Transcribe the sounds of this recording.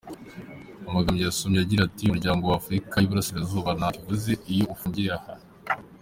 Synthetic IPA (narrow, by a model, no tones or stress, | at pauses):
amaɡamɲejasomɲaɟiɾatijuɾɟaːŋɡo̞waːfɾikajuβuɾasiɾazuːβanakivuze̞ijo̞ufuːɲɟiɾeaha